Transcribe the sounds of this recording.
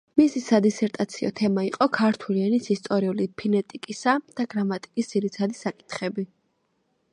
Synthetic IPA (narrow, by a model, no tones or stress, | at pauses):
misisad̪isɛɾt̪ʼat̪sʰiɔ̰t̪ʰɛmaiqʼɔkʰaɾt̪ʰulianisist̪ʼɔɾiulipʰinɛt̪ʼikʼisad̪̥aɡɾamat̪ʼi̥kʼisd̪z̥iɾit̪sʰad̪isakʼi̥t̪ʰχɛbi